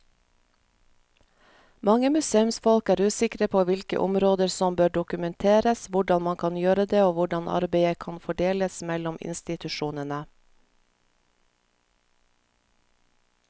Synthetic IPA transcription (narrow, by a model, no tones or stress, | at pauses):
mɑŋəmʉseːʉmsfɔlkæːɾʉːsɪkɾəpʰoːʋɪlkə̰ʔʊ̰mɾoːd̪əɾsɔmbøːɖʊkʉmɛnt̪ʰeːɾəsʋʊɖɑnmɑŋkʰɑnjøːɾəd̪eːoːʋʊɖɑnʔɑ̰ɾbeɪəkʰɑnfɔɖeːləsmɛlɔmɪ̰nst̪ɪt̪ʉʃuːnənə